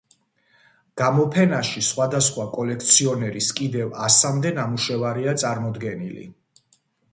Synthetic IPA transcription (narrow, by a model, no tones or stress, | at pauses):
ɡ̥amɔpʰɛnaʃisχwad̪asχwakʼɔlɛk̚ʰt̪sʰiɔnɛɾiskʼid̪ɛvasamd̪ɛnamuʃɛvaɾiat̪sʼaɾmɔd̪ɡɛnḭlḭ